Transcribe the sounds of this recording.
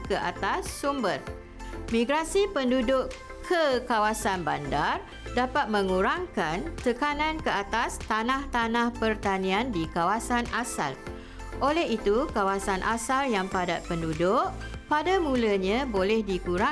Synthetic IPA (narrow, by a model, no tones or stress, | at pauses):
kəʔa̰t̪asːumbər | mĩɡɾasipəndudʊʔ | kʰəkawasanbandar | dapat̪̚mə̃ŋuɾaŋkant̪əkanãnkəat̪ast̪anãht̪anãhpərt̪anĩandikawasanasa̰l | ʔolɛɦit̪ukawasanʔa̰saljaŋpadat̪̚pəndudʊʔpadamũləɲãbolɛhdikuɾa